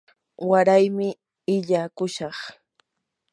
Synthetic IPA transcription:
waɾajmɪ | ɪʎaːkʊʃɑχ

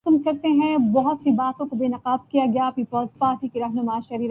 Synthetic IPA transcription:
kmkɐɾt̪eɦɛ̃bɐɦʊt̪sibaːt̪õkobeːnɐqaːb̚kijaɡɐjapiːpəlzpaːɾʈikiɾɐɦnʊmaʃɐɾiːɾ

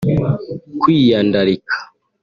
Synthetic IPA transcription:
kwijaːndaɾikʰḁ

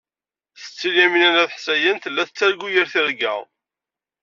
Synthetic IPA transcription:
θə̥t͡sːilæminænæðħsæjənθəlːæθət͡sːæɾɡujəɾθiɾɡæ

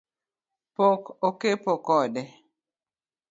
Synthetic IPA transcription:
pokokepokɔdɛ

